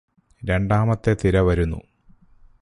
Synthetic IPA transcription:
ɾe̞ɳɖaːmɐt̪ːe̞t̪iɾɐʋɐɾunːṵ

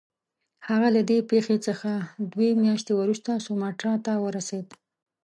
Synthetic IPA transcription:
haɣalad̪epexet͡səxad̪wemjɑʃt̪ewəɾust̪asomɑʈɑt̪awəɾased̪

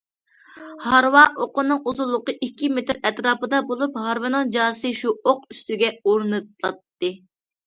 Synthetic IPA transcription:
hɑɾwɑʔoqʊnːɨŋuzulˠːʊqəʔikʲʰːimet̪ɪɾɛt̪ɾɑːpɨd̪ɑbolˠuphɑɾwɨnɨnd͡ʒɑːsɨʃuoqyst̪yɡʲɛoɾnɨt̪̚lˠɑt̪ːɨ

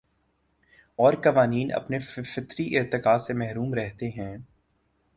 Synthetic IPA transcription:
ɔːɾkɐʋaːniːnɐ̰pnefɪfɪt̪ɾiʔɪt̪ɪkaːsemɛɦɾuːmɾɛɦt̪eɦɛ̃ː

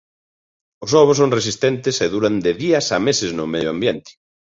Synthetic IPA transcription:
ʊsɔβʊs̬oŋresist̪ɛnt̪ɪseðuɾand̪ɪðiɐsamesɪznʊmejʊambjent̪ɪ̥

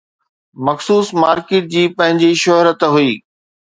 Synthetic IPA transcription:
mɐxsuːsmaːɾkeːʈ̚d͡ʑiːpɐ̃ɦɪ̃ɲd͡ʑiʃʊɦɾət̪ɦuiː

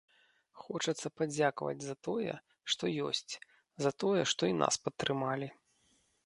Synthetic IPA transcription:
xɔt͡ʂɐt̪sːɐpad͡zʲakvɐ̰d͡zʲzɐt̪ɔjɛ̰ | ʂt̪ɔjɔ̰sʲt͡sʲ | zɐt̪ɔjɛʂt̪ɔinʔa̰spɐt̪ːɾɨmalʲi

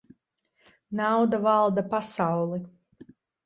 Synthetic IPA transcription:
nawd̪avalˠd̪apasawlˠi

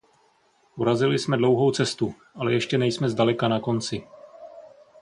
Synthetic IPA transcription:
ʔuɾazɪlɪsmɛdlo̞wɦo̞wt͡sɛst̪u | ʔalɛjɛʃcɛnɛjsmɛzdalɛkanako̞nt͡sɪ

